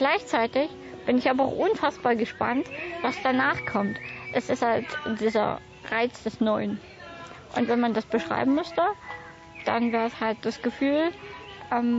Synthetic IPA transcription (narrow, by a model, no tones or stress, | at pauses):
ɡ̥laɪçt͡saɪtɪç | b̥ɪnɪçʔaːbɐa̰ʊxʔʊnfasb̥aːɐɡəʃpa̰ntvasd̥anaːχkʰɔmtʔɛsɪsthaltd̥iːzɐ̰ | ʁaɪt͡sd̥ɛsnɔʏən | ʔʊntv̥ɛnmandasb̥əʃʁ̥a̰ɪbm̩mʏstə | d̥a̰nvɛːʁshalt̚d̥asɡ̥əfyːlʔɛm